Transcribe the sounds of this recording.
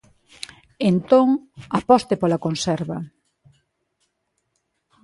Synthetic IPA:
ent̪oŋapɔst̪epolɐkonsɛɾβɐ

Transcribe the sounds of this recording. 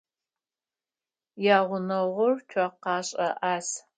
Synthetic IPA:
jaːʁʷʊnɐʁʷɔrt͡ʃʷʰaqɑːɕʼɐʔaːs

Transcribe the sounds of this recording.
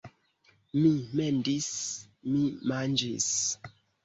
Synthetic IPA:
mimendis | mimand͡ʒis

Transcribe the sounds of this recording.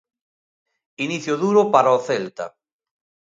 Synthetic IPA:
iniθjoðuɾopaɾaoθelt̪a̰

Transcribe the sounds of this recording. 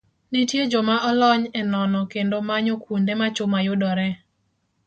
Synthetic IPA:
nitjed͡ʒɔmaʔɔlɔɲɛnɔnɔkendomaɲokundemat͡ʃʊmajʊdɔɾɛ

